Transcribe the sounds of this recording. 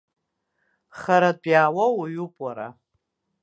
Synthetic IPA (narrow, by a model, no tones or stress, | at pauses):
χaɾat͡pʷʼjaːwawaɥupʼwaɾa̰